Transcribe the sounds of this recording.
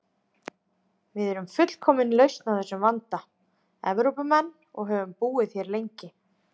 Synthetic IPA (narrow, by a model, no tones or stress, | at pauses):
vɪðɛɾʏmfʏt̪l̥kʰɔːmɪnlœɥst̪nawθɛsːʏmvant̪a | ɛvɾowpʏmɛnː | ɔ̰ɣɦœvʏmpuːɪðθθjɛɾlejɲcɪ